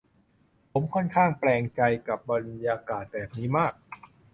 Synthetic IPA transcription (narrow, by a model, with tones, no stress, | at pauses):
pʰo˩˦mkʰɔ˥˩nkʰaː˥˩ŋplɛː˧ŋt͡ɕa˧jka˨˩p̚ba˧njaː˧kaː˨˩t̪̚bɛː˨˩p̚niː˦˥maː˥˩k̚